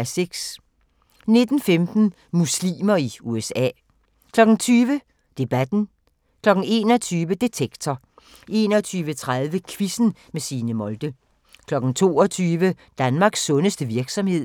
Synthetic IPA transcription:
æseɡ̥s | ne̝d̥n̩femd̥n̩ | muslḭːmɐiuesɛ̰ː | kʰlɒ̽ɡ̥n̩t͡sʰyːʋə | d̥e̝b̥æd̥n̩ | kʰlɒ̽ɡ̥n̩e̝̰ːnɒt͡sʰyːʋəd̥e̝t͡sʰeɡ̥t͡sʰɐ | ʔe̝̰nɒt͡sʰyːʋət͡sʰʁaðˠʋəkʰʋisn̩mesiːnəmɔ̽ld̥ə | kʰlɒ̽ɡ̥n̩t͡sʰo̝̰ːɒt͡sʰyːʋəd̥ænmɑ̈ɡ̥sːɔ̽nəsd̥əʋiɐɡ̥sɒ̽mhe̝ð̞̰ˠ

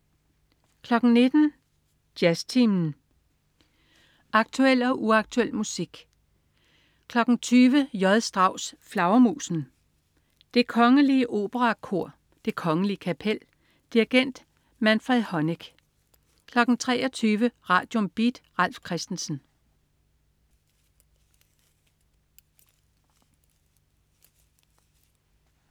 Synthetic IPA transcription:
kʰlɒ̽ɡ̥n̩ne̝d̥n̩ | d̥jæst͡sʰimn̩ | ɑ̈ɡ̥̚t͡sʰuel̰ɒ̽ʔuɑ̈ɡ̥̚t͡sʰuel̰musiɡ̥ | kʰlɒ̽ɡ̥n̩t͡sʰyːʋəjɒðˠsd̥ʁɑ̈ʊ̰sflɑ̈ʊɐmṵːsn̩ | d̥e̝kʰɒ̽ŋəliəʔo̝̰ːb̥əʁɑ̈kʰo̝ɐ̰ | d̥e̝kʰɒ̽ŋəliəkʰæpʰel̰ | d̥iʁiɡ̥en̰d̥ | mænfʁiðˠhɒ̽neɡ̥ | kʰlɒ̽ɡ̥n̩t͡sʰʁɛ̰ːʔɒt͡sʰyːʋəʁɑ̈ːd̥jomb̥id̥ʁɑl̰fkʰʁɛsd̥n̩sn̩

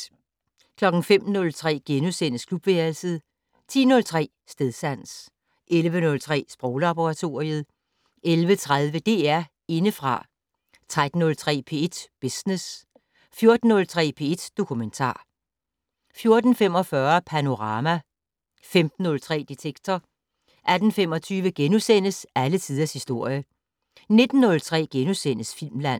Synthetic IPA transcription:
kʰlɒ̽ɡ̥n̩fem̰nɔ̽lt͡sʰʁɛ̰ːɡ̥enusen̰əskʰlub̥ʋeɐlsəð̩ˠ | t͡sʰḭːnɔ̽lt͡sʰʁɛ̰ː | sd̥eðˠsæn̰s | ʔelʋənɔ̽lt͡sʰʁɛ̰ːsb̥ʁɔʊlɑb̥oʁɑ̈t͡sʰo̝ːɐiəð̞ˠ | ʔelʋət͡sʰʁað̞ˠʋəd̥e̝ːæɐ̰ | e̝nəfʁɑ̈ | t͡sʰʁad̥n̩ːɔ̽lt͡sʰʁɛ̰ːpʰe̝e̝d̥b̥esnes | fjo̝ɐd̥n̩ːɔ̽lt͡sʰʁɛ̰ːpʰe̝e̝d̥d̥o̝kʰument͡sʰɑ̰̈ː | fjo̝ɐd̥n̩fem̰ɒ̽fɶɐpʰæno̝ʁɑ̈ːmæ | femd̥n̩ːɔ̽lt͡sʰʁɛ̰ːd̥it͡sʰeɡ̥̚t͡sʰɒ | ʔæd̥n̩fem̰ɒ̽t͡sʰyːʋəɡ̥enusen̰əsælət͡sʰið̞ˠɐshisd̥o̝ɐ̰jə | ne̝d̥n̩ːɔ̽lt͡sʰʁɛ̰ːɡ̥enusen̰əsfilmlæn̰

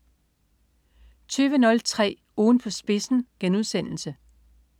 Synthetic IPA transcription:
t͡sʰyːʋənɔ̽lt͡sʰʁɛ̰ː | ɔːn̩pʰɒ̽sb̥e̝sn̩ɡ̥enuð̞ˠsen̰l̩sə

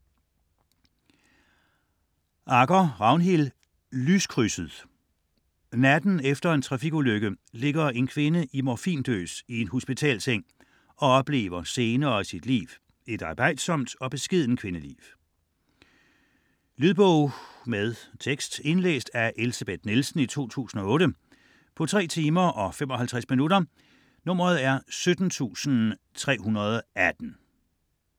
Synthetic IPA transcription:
ʔɑ̈ɡ̥ɐʁɑ̈ʊnɦil | lyskʰʁysəð̩ˠ | næd̥n̩efd̥ɐe̝nt͡sʰʁɑ̈fiɡ̥uløɡ̥əle̝ɡ̥ɐe̝nkʰʋe̝nəʔimɒfḭːnd̥ø̰ːsie̝nho̝sb̥it͡sʰɛ̰ːlseŋ̰ | ɒ̽ɒ̽b̥le̝̰ːʋɐse̝ːnɐːisid̥lḭːʋ | e̝d̥ɑ̈ːb̥ɑ̈ɪ̰d̥sɒ̽m̰d̥ɒ̽b̥e̝sɡ̥ið̞̰ˠn̩kʰʋe̝nəlḭːʋ | lyðˠb̥ɔʊ̰meðˠt͡sʰeɡ̥sd̥e̝nlḛːsd̥æʔe̝lisæb̥ed̥nilsn̩it͡sʰo̝̰ːt͡sʰṵːsn̩ɒ̽ɔ̽ːɾə | pʰɒ̽t͡sʰʁɛ̰ːt͡sʰiːmɐʔɒ̽femɒ̽ɦælt͡sʰʁasminuɾɐ | nɔ̽m̰ʁɐð̞̩ˠæɐsød̥n̩t͡sʰṵːsn̩ | t͡sʰʁɛ̰ːɦunɐð̞ˠɒ̽æd̥n̩

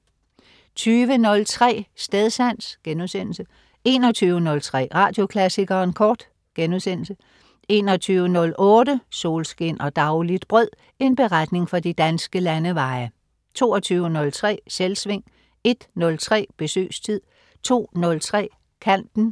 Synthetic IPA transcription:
t͡sʰyːʋənɔ̽lt͡sʰʁɛ̰ːsd̥eð̞ˠsæn̰sɡ̥enuðˠsen̰l̩sə | e̝ːnɒ̽t͡sʰyːʊənɔ̽lt͡sʰʁɛ̰ːʁɑ̈ːd̥jo̝kʰlæsiɡ̥ɐːenkʰɒːd̥ | ɡ̥enusen̰l̩sə | e̝ːnɒt͡sʰyːʊənɔ̽lʔɔ̽ːd̥əso̝̰ːlsɡ̥e̝n̰ɒ̽d̥ɑ̈ʊlid̥b̥ʁœð̰ˠ | e̝nb̥e̝ʁad̥ne̝ŋfɒd̥id̥ænsɡ̥əlænəʋɑ̈ɪɐ | t͡sʰo̝̰ːɒt͡sʰyːʊənɔ̽lt͡sʰʁɛ̰ːselsʋe̝ŋ̰ | e̝d̥nɔ̽lt͡sʰʁɛ̰ːb̥e̝sø̰ːst͡sʰið̰ˠ | t͡sʰo̝̰ːnɔ̽lt͡sʰʁɛ̰ː | kʰæn̰d̥n̩

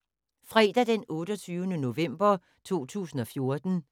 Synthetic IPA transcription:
fʁɛːd̥æd̥enɔ̽ːɾ̥ɒt͡sʰyːʊənəno̝ʋem̰b̥ɐ | t͡sʰo̝̰ːt͡sʰṵːsn̩ɒ̽fjo̝ɐd̥n̩

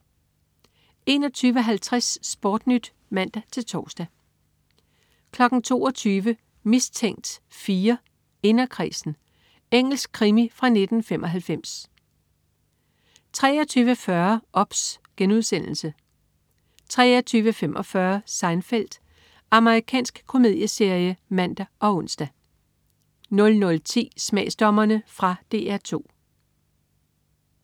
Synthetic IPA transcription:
e̝̰ːnɒ̽t͡sʰyːʋəɦælt͡sʰʁasːb̥ɔːd̥nyd̥ | mæn̰d̥æt͡sʰe̝lt͡sʰɒ̰ːsd̥æ | kʰlɒ̽ɡ̥n̩t͡sʰo̝̰ːɒt͡sʰyːʋə | mist͡sʰeŋ̰d̥fiːɐ | e̝nɐkʰʁḭːsn̩ | eŋ̰l̩sɡ̥̚kʰʁimifʁɑ̈ne̝d̥n̩femʔɒ̽ɦælfem̰s | t͡sʰʁɛ̰ːɐt͡sʰyːʋəfɶɐʔɒ̽b̥sɡ̥enuð̞̰ˠsen̰l̩sə | t͡sʰʁɛ̰ːɐt͡sʰyːʋəfemʔɒ̽fɶɐsɑ̈ɪnfel̰d̥ | ɑ̈məʁikʰɛ̰ːnsɡ̥kʰo̝me̝ð̰ˠjəse̝ɐ̰jəmæn̰d̥æɒ̽ɔ̽n̰sd̥æ | nɔ̽lnɔ̽lt͡sʰḭːsmɛ̰ːsd̥ɒmɐnəfʁɑ̈d̥e̝ːæɐt͡sʰo̝̰ː

